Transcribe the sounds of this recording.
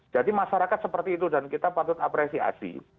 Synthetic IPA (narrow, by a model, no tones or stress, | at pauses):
d͡ʒadimaʃaɾakat̪̚səpərt̪iːt̪udankit̪apat̪ʊt̪apɾesia̰sḭ